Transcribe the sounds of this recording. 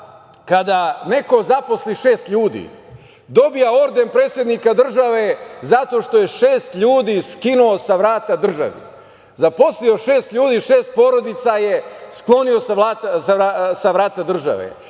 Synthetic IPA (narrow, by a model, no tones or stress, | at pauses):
kad̪ane̞ko̞zapo̞sliʃe̞ːst̪ʎuːd̪ḭ | d̪o̞bijao̞ɾd̪e̞npɾeːt̪sʲjed̪nikad̪r̩ʒaʋezat̪o̞ʃt̪o̞je̞ʃeːst̪ʎuːd̪iːskinuo̞saʋɾaːt̪ad̪r̩ʒa̰ʋḭ | zapo̞slio̞ʃe̞ːst̪ʎʲuːd̪iːʃeːst̪̚po̞ɾo̞d̪it̪saje̞sklˠo̞niosaaːt̪saasaʋɾaːt̪ad̪r̩ʒa̰ʋḛ